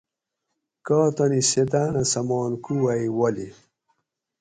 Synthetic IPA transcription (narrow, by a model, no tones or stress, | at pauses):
kaːt̪ɐniset̪̬aːnɐsɐmɔːnkuwaiwɐli